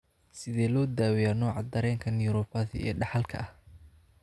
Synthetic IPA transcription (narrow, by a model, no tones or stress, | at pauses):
sɪðɛːlɔːd̪aːwɪjaːnɔːʕɑd̪ɐɾɛːŋkʰɐnjuɾɔbɐðɪ̰ɛ̰ːɖɑħɑlkʰɐ̰ɐh